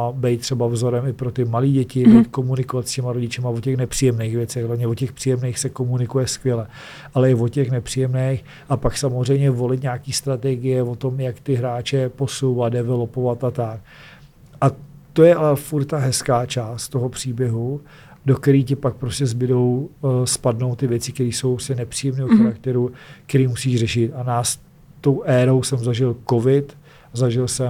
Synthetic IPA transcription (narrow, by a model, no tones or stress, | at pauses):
bɛjt̪̚t̪ːr̥ɛbavzo̞ɾɛmɪpɾot̪ɪmaliːɟɛcɪbot̪̚ko̞munɪkovat̪scɛmaɾo̞ɟɪt͡ʃɛmavo̞cɛxnɛpr̥ijɛmnejxvjɛt͡sɛxlɛmɲɛvocɛxpr̥ijɛmnejxsɛko̞munɪkujɛskvʲjɛlɛ | ʔalɛɪvocɛxnɛpr̥iːjɛmnɛx | ʔapaksamozr̝ɛjmɲɛvo̞lɪt̪̬ɲaːkiːst̪ɾat̪ɛɡɪjɛvo̞t̪o̞mjakt̪ɪɦɾaːt͡ʃɛpo̞sowvat̪̚dɛvɛlopo̞vat̪ʔat̪ak̚ | ʔat̪ojɛʔalɛfuɾt̪t̪aɦɛskaːt͡ʃaːst̪t̪o̞ɦopr̝̥iːbjɛɦu | do̞kɛɾiːcɛpak̚pɾoscɛzbɪdo̞wspadno̞wt̪ːɪvjɛt͡sɪkt̪ɛɾiːso̞wpɾosɛnɛpr̝̥ijɛmniːɦoxaɾak̚t̪ɛɾukt̪ɛɾiːmusiːʃrɛʃɪt̪anaːs | t̪o̞wʔɛːɾo̞wsɛmzaʒɪlko̞vɪt̪ | zaʒɪlsɛ